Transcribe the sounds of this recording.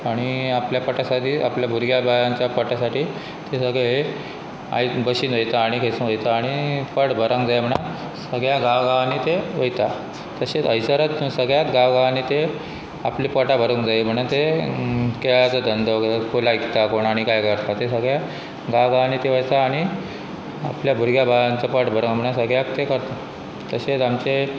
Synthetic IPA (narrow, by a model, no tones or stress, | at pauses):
aɽ̃iapljapəʈasat̪iːapljabʱuɾɡjabajãɲt͡ɕjapəʈasaʈiː | t̪esəɡɭeɦe | a̰jbəɕiːnʋəjt̪aːɽ̃ikʰesũʋəjt̪aːɽ̃ifəɽbʱəɾaŋɡd͡zajm̤əɽ̃at̪ | səɡɭjaɡãʋɡaʋanit̪eʋəjt̪a | t̪əɕet͡səjsəɾət̪səɡɭjat̪ɡaʋɡaʋanit̪e | apliːpɔʈabʱəɾəŋɡd͡zaem̤əɽ̃unt̪e | kejat͡səd̪ənd̪ʱəkolaikt̪akoɳaɽ̃ikajkəɾt̪at̪esəɡɭja | ɡaʋɡaʋanit̪eʋəjt̪aːɽ̃i | a̰pljabʱuɾɡjabaʋant͡səpəʈbʱəɾəŋɡm̤əɽ̃asəɡɭjak̚t̪ekəɾt̪a | t̪əɕet͡samt͡ɕe